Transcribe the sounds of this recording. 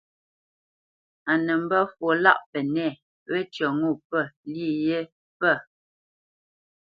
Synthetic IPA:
a˨nə˨m̩˦bə˦fwo˨la̰˦˨ʔpɛ˨nɛ˦˨ | wɛ˦tjɔ˨ŋu˦˨pə˦˨li˦˨je˦ | pə˦˨

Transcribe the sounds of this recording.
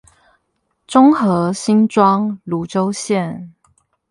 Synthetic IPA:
ʈ͡ʂʊ˥ŋxɤ˧˥ɕi˦nʈ͡ʂwɑ˥ŋlu˨˦ʈ͡ʂo˥ʊɕjɛ˥˨n

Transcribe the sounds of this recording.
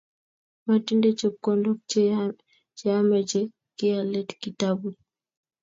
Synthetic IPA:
ma˨ti˦nde˦t͡ʃo˨kɔ˦ndɔ˦ | t͡ʃe˨a˦mɛ˨t͡ʃe˦ | kɪ˦a˨lɛ˦tki˨ta˦bu˨

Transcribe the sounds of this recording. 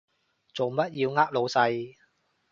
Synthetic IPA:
t͡so˨wmɐ˦˥t̚jiː˧wŋaː˥k̚lo˨˧wsɐ˧j

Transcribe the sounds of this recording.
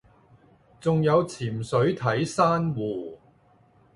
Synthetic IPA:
t͡sʊ˨ŋjɐ˨˧wt͡sʰiː˨˩msɵ˨˥ɥt̪ʰɐ˨˥jsaː˥nwuː˨˩

